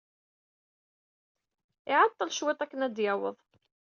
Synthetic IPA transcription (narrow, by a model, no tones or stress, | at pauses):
ɪʕɑt̪ˤːɑlʃwet̪ˤækːənæd̪jæwə̰ðˤ